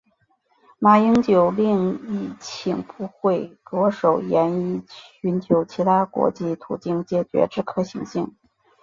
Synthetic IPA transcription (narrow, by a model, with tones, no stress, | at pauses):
ma˧˩i˥ŋt͡ɕjo˨˩ʊli˥˧ŋi˥˩t͡ɕʰi˨˩ŋpu˧˥xwe˥˩ɪkɤ˧˥ʂo˨˩ʊjɛ˧˥ni˥˩y˧˥nt͡ɕʰjo˧˥ʊt͡ɕʰi˧˥t̪ʰa˥kwɔ̰˧˥t͡ɕi˥˩t̪ʰu˨˩t͡ɕi˥˩ŋt͡ɕjɛ˨˩t͡ɕɥɛ̰˧˥ʈ͡ʂɻ̩˥˧kʰɤ˥˩ɕi˧˥ŋɕi˥˩ŋ